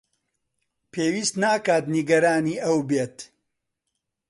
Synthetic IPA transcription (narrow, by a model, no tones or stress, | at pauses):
pʰeːwiːst̪naːkaːt̪niɡɐɾaːniːʔɐwbeːt̪